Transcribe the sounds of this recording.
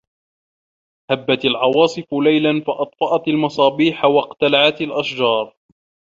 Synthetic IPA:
habːat̪alʕɑwɑːsˤɨfʊlajlanfɑʔɑt̪ˤfɑʔɑt̪almɑsˤɑːbiːħawɑqt̪alaʕat̪alʔaʃd͡ʒɑːɾˤ

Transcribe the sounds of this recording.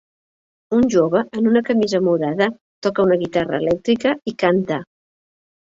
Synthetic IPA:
unʲʒoβəʔənunəkəmizəmuðaðə | t̪ɔkəunəɣit̪arə̰ːlɛk̚t̪ɾikəikant̪ə

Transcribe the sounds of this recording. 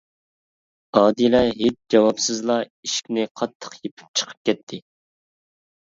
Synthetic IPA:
ɑːd̪ilɛɦet͡ʃ̚d͡ʒɑwɑpsɨzlˠɑiʃkʲnɪqʰɑt̪ʰːə̥qjepʰɪ̥p̚t͡ʃʰə̥qʰə̥p̚kʲɛt̪ʰːɪ

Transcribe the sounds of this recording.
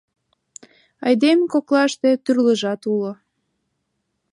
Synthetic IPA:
ɑjd̪emkoklɑʃt̪et̪yrləʒɑt̪ulo

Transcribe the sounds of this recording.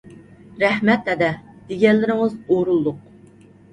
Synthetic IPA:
ɾɛhmɛt̪ɛd̪ɛd̪̥eɡʲɛnlːɪɾɪŋɨzoɾulˠːʊq̚

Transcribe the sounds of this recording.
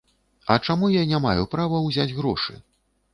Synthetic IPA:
ɐt͡ʂamujanʲamajupɾavɐwzʲad͡zʲɣɾɔʂɨ̰

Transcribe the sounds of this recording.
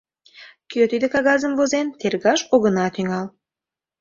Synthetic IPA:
køt̪id̪ekɑɣɑzəmvozent̪erɣɑʃoɣənɑt̪yŋɑl

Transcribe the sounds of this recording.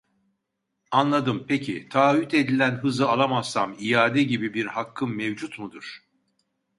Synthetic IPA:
anlˠad̪ɯmpʰecʰit̪ʰaːɦyt̪e̞d̪ilʲænɦɯzɯalˠamazsamijaːd̪ɛɟibibiɾhakʰːɯmmevd͡ʒut̪mud̪uɾ̥

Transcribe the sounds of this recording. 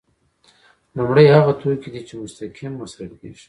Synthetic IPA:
lumɽajhaɣat̪ʰojkid̪it͡ʃemʊst̪akʰimːasɾak̚neʃi̥

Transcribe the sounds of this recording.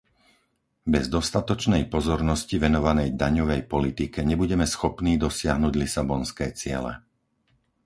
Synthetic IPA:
bɛzd̪ɔst̪at̪ɔt͡ʃnɛjpɔzɔɾnɔsciʋɛnɔʋanɛjd̪aɲɔʋɛjpɔlit̪ikɛɲɛbuɟɛmɛsxɔpniːd̪ɔsɪaɦnuːɟlisabɔnskɛːt͡sɪɛ̰lɛ̰

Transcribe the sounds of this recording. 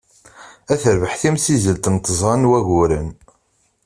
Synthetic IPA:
æθəɾvəħθimsizəlt̪nt̪əzˤɑnwæɣʊɾən

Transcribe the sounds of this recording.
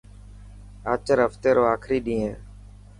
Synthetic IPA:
aːt͡ʃəɾɦəft̪eːɾoːaːkʰɾiːɗĩːẽː

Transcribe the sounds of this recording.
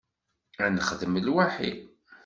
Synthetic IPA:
ænəχðəməlwaħḭ

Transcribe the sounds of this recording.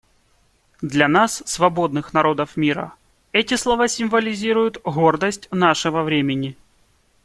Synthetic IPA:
d̪lʲɐnasːvɐbo̞d̪nɨxnɐɾo̞d̪əfmʲiɾə̰ | ɛtʲɪslˠɐvasʲɪmvəlʲɪzʲiɾʊjʊt̪ɣo̞rd̪əsʲtʲnaʂɨvəvɾʲemʲɪnʲɪ

